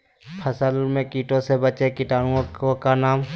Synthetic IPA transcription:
pʰəsəlmẽkiːʈõsebət͡ʃekɪʈaːɽũõokanaːm

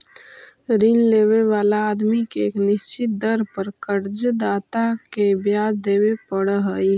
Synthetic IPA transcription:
ɾinleːweʋaːlaːd̪mikeːknɪst͡ʃɪt̪̚d̪əɾpəɾkəɾd͡ʒəd̪aːt̪akebjaːd̪eːwepəɽəɦəj

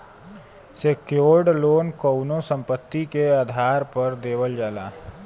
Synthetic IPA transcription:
sekjoːɖloːnkəʊnosə̃mpət̪ːikeaːd̪ʱaːɾpəɾd̪eːwəld͡ʒaːla̰ː

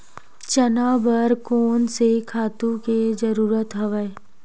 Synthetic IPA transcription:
t͡ʃɐnaːbəɾkoːnsekʰaːt̪ũked͡ʒɐɾuːɾət̪ɦɐʋəe

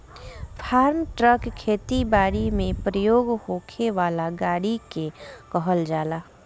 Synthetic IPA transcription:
fʰaːɾmʈɾəkkʰːeːt̪ibaːɽimẽpɾəjoːɡhoːkʰeʋaːlaɡaːɽikekɔɦəld͡ʒaːlaː

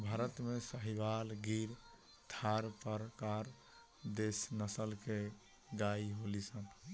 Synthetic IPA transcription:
bʱaːɾət̪mesəɦibalɡiɾ | t̪ʰaɾpəɾkaɾ | d̪esnəsəlke | ɡaiɦolisən

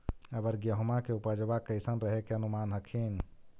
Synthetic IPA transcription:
əbəɾɡjəɦomakeupəd͡ʒbakːəɪsənɾəɦekeənumanɦəkʰin

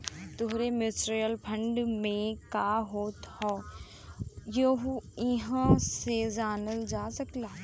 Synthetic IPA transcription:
t̪ʊɦɾemɪsɾijəlpʰɐ̃ɳɖmẽkaːɦoːt̪hɔː | joɦuiɦə̃sezaːnəld͡ʒaːsɐklaː

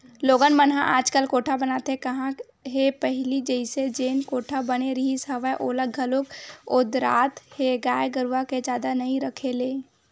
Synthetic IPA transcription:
loːɡənmənɦã̰ʔaːd͡ʒkəlkoːʈʰabənaːt̪ekɐɦã | ɦepəɦlid͡ʒəɪsed͡ʒeːnkoːʈʰabəneɾəɦisəʋəʔoləɡʱəloɡʊd̪ɾa̰ːt̪heɡaːjeɡəɾʋaked͡ʒaːd̪anɐɦĩɾəkʰeleː

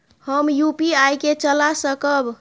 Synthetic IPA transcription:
həmjupiajket͡ʃəlasəkəb

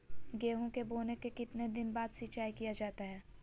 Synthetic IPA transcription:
ɡeːɦõkeboːnekekɪt̪ned̪ɪnbaːd̪sit͡ʃaːikijad͡ʒaːt̪aɦɛː

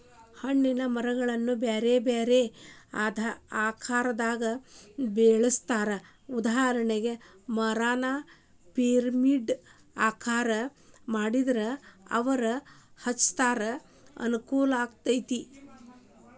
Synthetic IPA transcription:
hɐɳːinɐmɐɾɐɡɐɭɐnːubeːɾebeːɾeaːd̪ʱaaːkʰaːɾɐd̪aːɡɐbeːɭɐst̪aːɾɐ | ud̪aːɐɾɐɳeɡe̞ | mɐɾaːna | peːɾmiɖ | aːkʰaːɾɐmaːɽid̪ɐɾɐɐ̰ʋɐɾɐhɐt͡ʃt̪aːɾɐ | ɐ̰nukuːlaːɡt̪ɐjt̪i

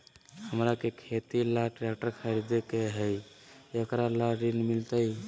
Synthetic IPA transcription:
həmɾakekʰet̪ilaʈɾɛkʈəɾkʰəɾid̪ekeɦəj | okɾalaɾinmilt̪əj

